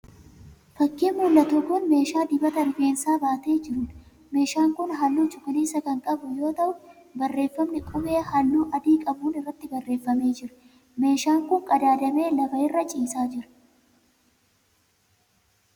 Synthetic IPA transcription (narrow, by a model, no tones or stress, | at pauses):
fɐkːiːmuːlːɐt̪uːkʊnme̞ːʃaːd̪ɪbɐt̪ɐnʊɡe̞ːnsaːbaːt̪e̞ːd͡ʒɪɾʊn | me̞ːʃaːŋkʊnɦɐlːuːt͡ʃʊkɐneːsːɐkɐŋkʼɐbʊjo̞ːt̪ɐʔʊn | bɐrːe̞ːfːɐmnɪkʼʊmeːhɐlːuːʔɐd̪iːkʼɐbuːnɪrːɐt̪ːɪbɐrːe̞ːfːɐme̞ːd͡ʒɪɾʊ̥ | me̞ːʃaːŋkʊŋkʼɐd̪aːd̪ɐme̞ːlɐfɐɪrːɐt͡ʃʼiːsaːd͡ʒɪɾʊ̥